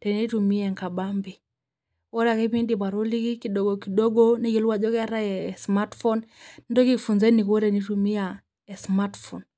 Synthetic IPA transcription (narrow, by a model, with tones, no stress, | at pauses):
tɛ˨ni˦tumi˦ɛ˨ŋka˨ɓambi˨ | wɔ˦ɾa˨kɛ˦pi˦ndi˨pa˨ɾɔ˦li˦ki˦ki˨ɗɔɡɔ˨ki˨ɗɔ˦ɡɔniki˨luwa˨ʄɔ˦kɛ˦a˦ɾa˦jɛsma˦tfɔ˦nndɔ˦ki˦funzɛ˦ni˨kɔ˦ɾɛ˨ni˦tumi˦a | ɛ˨smatfɔn